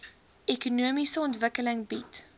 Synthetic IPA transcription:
ɛkunuəmisəɔntvəkələŋbit

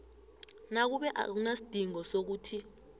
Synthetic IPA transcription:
nak̬uɓɛʔa̰k̬unasid̥ʱiŋɔsok̬uːtʰi

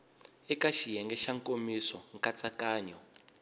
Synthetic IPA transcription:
ɛkʼaʃijɛŋɡɛʃaŋkʼomisɔŋkʼat͡sʼakaːɲɔ

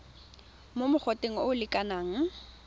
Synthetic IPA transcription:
momʊk͡xʰɔtʼeŋ̩oʊlɪkʼanaːŋ̩

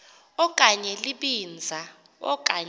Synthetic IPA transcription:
ɔkʼaɲɛliɓind͡zʱa | ɔ̰k̬ʼaɲ

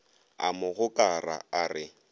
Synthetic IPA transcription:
a̰mʊɣʊkʼara̰arɪ

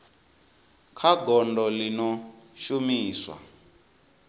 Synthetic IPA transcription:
kʰaɡɔndɔlinɔʃumiːswa̰

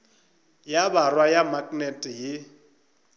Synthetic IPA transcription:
jabarwajamakʼnɛtʼijɪ

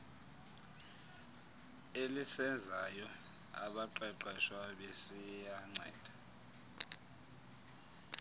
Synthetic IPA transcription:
elisɛnd͡zʱajɔ | a̰ɓaǃɛǃɛʃwaɓesijaŋ͡ǀɛ̰ːd̥ʱḁ

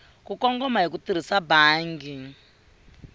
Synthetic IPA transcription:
kukɔŋɡɔmaɦikut̪iɾ̤isabaːŋɡi

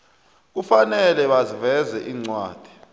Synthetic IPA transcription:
k̬ufanɛlɛɓazivɛzɛʔiːŋ͡ǀwa̰ːd̥ʱi̥

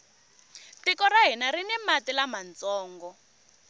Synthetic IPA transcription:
tikɔraɦinaɾinɛmatilamant͡sɔːŋɡɔ

